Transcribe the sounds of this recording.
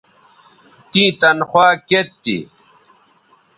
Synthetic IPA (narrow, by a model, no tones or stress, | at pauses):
t̪ĩːt̪ɐnxwaːket̪ːḭ